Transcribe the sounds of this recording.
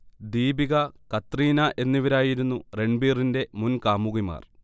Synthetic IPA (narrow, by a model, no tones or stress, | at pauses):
d̪iːbiɣɐkɐt̪riːnɐʔe̞nːiʋɐɾaːjiɾunːure̞ɳɖbiːrinde̞munkaːmuɣima̰ːr